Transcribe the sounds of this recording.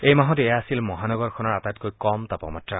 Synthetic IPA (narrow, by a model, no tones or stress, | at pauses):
ejmaɦɔtejaːsilmɔɦanɔɡɔɹkʰɔnɔɹatatkojkɔmtapɔ̰matɹa